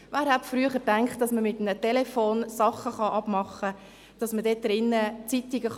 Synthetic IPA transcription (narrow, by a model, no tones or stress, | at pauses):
ʋæːɾhætfɾyəχəɾtæŋkχtd̥ɑsməmɪtmnətɛlefoːnsɑχəχɑʔɑb̥mɑχə | d̥ɑsmədeːt̚d̥ɾɪnːət͡sitiɡəχ